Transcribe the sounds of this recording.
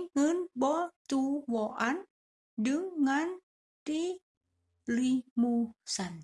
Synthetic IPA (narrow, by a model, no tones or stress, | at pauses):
ŋənbɔt̪uwɔʔan | dɨŋːan | t̪i | limusan